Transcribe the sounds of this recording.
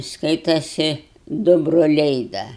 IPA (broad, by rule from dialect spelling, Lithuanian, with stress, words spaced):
ˈskɐɪtɐsʲɪ ˈdʊ broːˈlʲɛɪ ˈdɐ